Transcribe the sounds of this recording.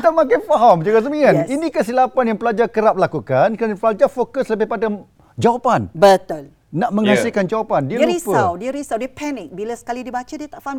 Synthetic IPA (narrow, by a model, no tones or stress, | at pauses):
t̪amãk̬anfaɦamd͡ʒuɡas̬əmianinĩkəsilapanjãŋpəlad͡ʒakəɾap̚lakukankəɾanpəlad͡ʒafokəsləbɪhpada | d͡ʒawapanbət̪ʊl | naʔmə̃ŋasikand͡ʒawapandiəlɾuispəawdiəɾisawdiəpʰɛnɪk̚bilasə̥kalidibat͡ʃadiət̪aʔfaam